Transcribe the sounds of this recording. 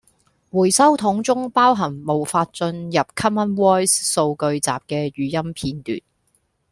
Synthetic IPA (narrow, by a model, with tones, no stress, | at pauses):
wuː˨˩jsɐ˥wt̪ʰʊ˨˥ŋt͡sʊ˥ŋpaː˥wɦɐ˨˩ŋmo˨˩wfaː˧t̚t͡ʃɵ˧njɐ˨p̚kʰɐ˥mɐ˥nwɔː˥jsso˧wkɵ˧ɥt͡sa̰ː˨p̚kɛː˧ɥyː˨˩jɐ˥mpʰiː˧nt̪y̰ː˨n